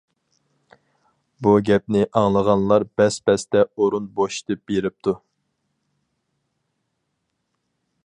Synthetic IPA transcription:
buɡʲɛp̚nɪʔɑŋlˠəʁɑnlˠɑɾb̥ɛspɛst̪ɛoɾunboʃi̥t̪ɪp̚beɾɪp̚t̪ʰu

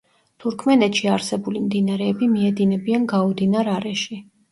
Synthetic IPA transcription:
t̪ʰuɾkʰmɛnɛt̪ʃiaɾsɛbulimd̪inaɾɛːbimiɛd̪inɛbianɡaɔd̪inaɾaɾɛʃi

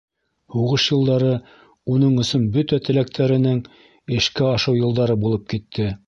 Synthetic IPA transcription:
huʁɤʃjɤ̆lˠd̪ɑɾɤ | unɤɴɵ̆sɵnbɵt̪æt̪ɘ̆læk̚t̪ʰæɾɘ̆nɘŋ | ɘ̆ʃkæɑʃɑwjɤ̆lˠd̪ɑɾɤbulˠɤp̚kit̪ʰːɘ

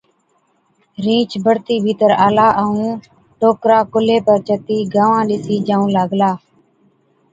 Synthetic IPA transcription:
ɾĩːt͡ʃbəɽt̪iːbʱiːt̪əɾaːlaːʔəũː | ʈoːkɾaːkʊleːpəɾt͡ʃət̪iːɡaːʋãːɗɪsiːd͡ʒãːũːlaːɡlaː

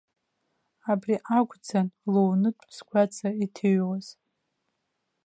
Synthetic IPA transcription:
abriʔaɡʷʼd͡zanlownɨtʷʼsɡʷat͡sʼʰaitʰɨɥwaz̥

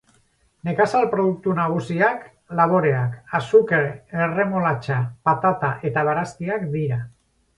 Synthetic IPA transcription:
ne̞kasalpɾo̞ð̞uk̚t̪unaɣ̞usiak | laβo̞ɾeakasukeɾere̞molat͡ʃapat̪at̪aʔe̞t̪aβaɾast̪iakd̪iɾa

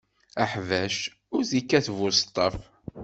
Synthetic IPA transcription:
æħvæʃ | ʊɾθikːæθvʊst̪ˤːɑf

